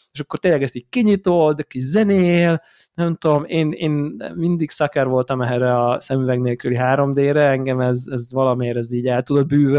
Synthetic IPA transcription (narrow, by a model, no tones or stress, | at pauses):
eʃɒkːo̞rt̪eːnlɛɡɛst̪iːɟkiɲit̪od̪ɛkːizɛneːl | nɛmt̪omeːneːnmind̪iɡsɒkɛrʋo̞lt̪ɒmɛɦɛɾɛɒsɛmyvɛɡneːlkyliɦaːɾo̞md̪eːɾɛɛŋɡɛmɛzɛzʋɒlɒmeːɾɛziːɟɛlt̪ud̪o̞d̪̚byːvɛ